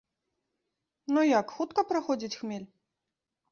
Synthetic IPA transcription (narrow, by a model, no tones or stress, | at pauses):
nujakxut̪kɐpɾaxɔd͡zʲit͡sʲxmʲelʲ